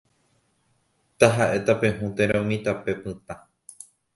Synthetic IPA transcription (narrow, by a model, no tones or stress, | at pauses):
t̪aɦaʔe̞t̪apẽ̞ɦũt̪ẽɾaũmĩt̪ape̞pɨ̃t̪a